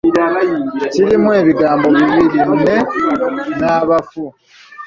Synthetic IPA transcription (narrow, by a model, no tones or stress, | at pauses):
ciɾimwe̞ːβiɡaːmbo̞βiβilimune̞ | naːβafu